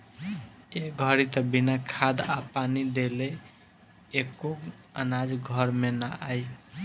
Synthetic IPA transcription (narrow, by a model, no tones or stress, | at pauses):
eɡʱʌɾit̪əbinakʰad̪apanid̪eleː | ko | ənad͡ʒɡʱʌɾmenaʔaj